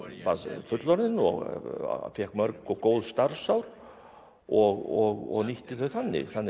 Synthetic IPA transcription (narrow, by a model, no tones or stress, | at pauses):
pafʏt̪lɔɾðɪnɔ̰ɣfjɛhkmœɾkɔkoːwlst̪aɾsawɾ | ɔɣɔɣɔ̰ɣniht̪ɪθœɥθanːɪ̰θanːɪ